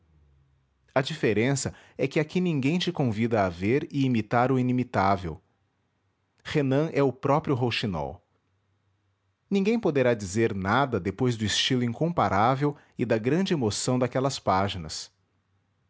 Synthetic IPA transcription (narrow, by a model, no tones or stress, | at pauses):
ɐd͡ʒifeɾẽsɐ | ɛkɪakinĩŋɡẽj̃t͡ʃɪkõvid̪ɐːveɾɪimit̪aɾʊinimit̪avḛw | henɐ̃ʔɛʊpɾɔpɾijʊɦowʃinɔ̰w | nĩŋɡẽj̃pod̪eɾad͡ʒizeɾnad̪ɐd̪epojzd̪ʊist͡ʃilʊĩŋkõpaɾavew | ɪd̪ɐɡɾɐ̃d͡ʒɪemosɐ̃w̃d̪akɛlɐspaʒinɐ̰s